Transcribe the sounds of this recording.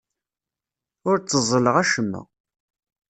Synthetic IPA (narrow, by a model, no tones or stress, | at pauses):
ʊɾt͡sːəzˤːələʁæʃəmːə̰ʁ